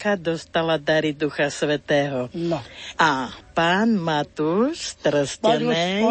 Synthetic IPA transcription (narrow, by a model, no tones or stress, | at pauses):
kad̪ɔst̪alad̪aɾid̪uxasʋɛt̪ɛːɦɔ | ʔapaːnmat̪uʃt̪ɾscɛnɛ